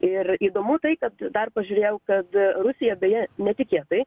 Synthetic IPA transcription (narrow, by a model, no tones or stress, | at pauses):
ɪriːd̪oːmʊt̪ɐɪkɐt̪d̪ɐrpɐʒʲuːɾʲeːjɛʊkɐt̪ɾʊsʲɪjɛbʲɛːjɛnʲɛt̪ʲɪkʲeːt̪ɐɪ